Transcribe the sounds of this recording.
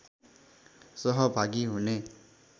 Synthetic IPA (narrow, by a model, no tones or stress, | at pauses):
sʌɦʌbʱaɡiɦune